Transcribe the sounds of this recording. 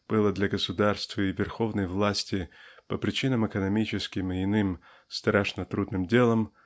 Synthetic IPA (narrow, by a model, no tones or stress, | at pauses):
b̥ɨlˠəd̪lʲɐɡəsʊd̪arst̪vəɪvʲɪrxo̞vnəjvlˠasʲtʲɪpəpɾʲɪt͡ɕinəmɨkənɐmʲit͡ɕɪskʲɪmɪɪnɨm | st̪ɾaʂnət̪ɾud̪nɨmdʲe̞lˠəm